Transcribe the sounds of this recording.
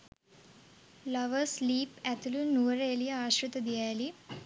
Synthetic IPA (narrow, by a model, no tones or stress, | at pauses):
lɐʋəsliːpæt̪ulunuʋɐɾelijɐaːɕɾut̪ɐd̪ijaːjli